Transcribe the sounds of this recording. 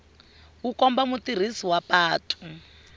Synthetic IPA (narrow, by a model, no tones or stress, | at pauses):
wukɔmbamutir̤isiwapaːtʰʼu̥